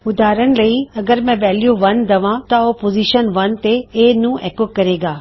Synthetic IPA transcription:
ʊd̪aːɾənɪ̆lɐiɐɡəɾm̤ɛ̃ʋɛːljoʋɐnd̪ɐʋãt̪ɐɔːpoːziːʃənʋɐnt̪eenũːʔɛːkokːɐɾeːɡaː

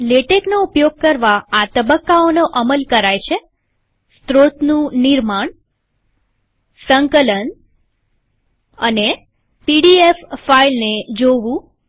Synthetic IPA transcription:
leʈeknoupjoɡ̚kəɾʋaːt̪əbəkːaonoʔəməlkəɾajt͡ʃʰe | st̪ɾot̪nũniɾmaɳ | səŋkələn | əne | piɖiefːailned͡ʒoʋũ

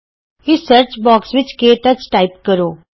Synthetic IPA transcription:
ɪsəɾt͡ʃbɔːksʋɪt͡ʃkeːʈət͡ʃʈaːɪpkəɾoː

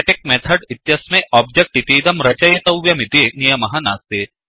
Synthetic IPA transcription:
ʈɪk̚meːt̪ʰɐɖɪt̪jɐsmeʔɔːb̚d͡ʒek̚ʈit̪iːd̪ɐmɾɐt͡ʃɐjet̪ɐwʋjɐmid̪enijɐmɐɦanaːst̪eː

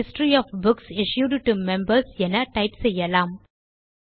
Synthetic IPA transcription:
ɪsʈɾiɔfbʊksɪʃjuːɖʈumɛ̃mbəɾsjɛnɐʈaɪʈsejɛlãːm

